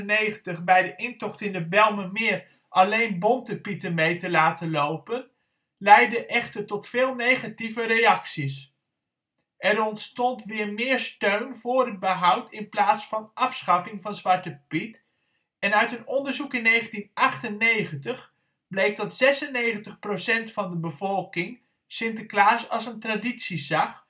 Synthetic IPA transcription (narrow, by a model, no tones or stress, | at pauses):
nejχəntəχbɛjdəʔɪntɔχtɪndəbɛlˠməmɪːɹ | ʔɑlejnbɔntəpitəmejtəlaːtəlowpən | lɛjdəʔɛχtəɹtɔtfɪːlˠnejχativəɾejɑksis | ʔɛɾɔntstɔntʋɪːɹmɪːɹstøɥnvʊːɹɦəd̚bəɦʌwtʰɪnplaːtsfɑnʔɑfsχɑfɪŋvɑnzʋɑɹtəpit | ɛnœɥtɦənɔndəɹzukɪnːejχəntinʔɑχtənːejχəntəχ | b̥lejk̚dɑtzɛsənejχəntəχprowsɛntfɑndəbəvɔlˠkɪŋ | sɪntəklaːsɑlˠsəntraditsizɑχ